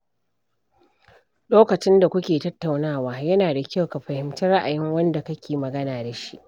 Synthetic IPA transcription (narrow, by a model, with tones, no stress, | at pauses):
ɗoː˦kɐ˨t͡ʃɪ˦nda˨kʷʊ˦kʲeː˨tɐ˦tːa˨wnaː˦˨waː˦jɐ˦naː˨da˨kʲa˦wka˨ɸɐ˨hɪ˨mtɐ˦ra˦ʔa˨jɪ˦ŋwɐ˦nda˨kɐ˦kʲeː˨mɐ˨ɡɐ˦naː˨da˨ʃi˦ʔ